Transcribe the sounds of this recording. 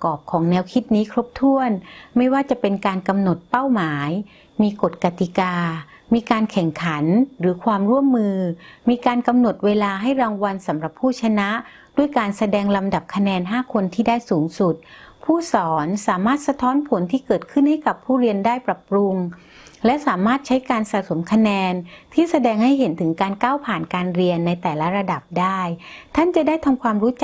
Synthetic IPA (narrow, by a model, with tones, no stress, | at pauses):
kɔː˨˩p̚kʰɔː˩˦ŋnɛː˧wkʰi˦˥t̪̚niː˦˥kʰɾo˦˥p̚t̪ʰu˥˩ənma˥˩jwaː˥˩t͡ɕa˨˩pe˧nkaː˧nka˧mno˨˩t̪̚pa˥˩wmaː˩˦j | miː˧ko˨˩t̪̚ka˧˩t̪i˨˩kaː˧ | miː˧kaː˧nkʰɛ˨˩ŋkʰa˩˦nɾɯː˩˦kʰwaː˧mɾu˥˩əmːɯː˧miː˧kaː˧nka˧mno˨˩t̪̚weː˧laː˧ɦa˥˩jɾaː˧ŋwa˧nsa˩˦mɾa˨˩pʰːuː˥˩t͡ɕʰa˧na˦˥ʔ | du˥˩əjkaː˧nsa˧dɛː˧ŋla˧mda˨˩p̚kʰa˧nɛː˧nɦaː˥˩kʰo˧nt̪ʰiː˥˩daː˥˩jsuː˩˦ŋsu˨˩t̪̚pʰuː˥˩sɔː˩˦nsaː˩˦maː˥˩t̪̚sa˧t̪ʰɔː˦˥npʰo˩˦nt̪ʰiː˥˩kɤː˨˩t̪̚kʰɯ˥˩nha˥˩jka˨˩pʰːuː˥˩ɾi˧əndaː˥˩jpɾa˨˩pɾu˧ŋ | lɛ˦˥saː˩˦maː˥˩t̪̚t͡ɕʰa˦˥jkaː˧nsa˨˩so˩˦mkʰa˧nɛː˧nt̪ʰiː˥˩sa˧dɛː˧ŋha˥˩jɦe˩˦nt̪ʰɯ˩˦ŋkaː˧nkaː˥˩wpʰaː˨˩nkaː˧nɾi˧ənːa˧jt̪ɛː˨˩la˦˥ɾa˧da˨˩p̚daː˥˩jt̪ʰa˥˩nt͡ɕa˨˩daː˥˩jt̪ʰa˧mkʰwaː˧mɾuː˦˥t͡ɕa˨